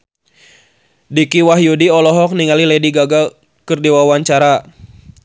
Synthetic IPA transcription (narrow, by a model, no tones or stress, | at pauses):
dikiwaɦjudiɔlɔɦɔk̚niŋalilɛdiɡaɡa | kɨrdiwawaɲt͡ʃaɾa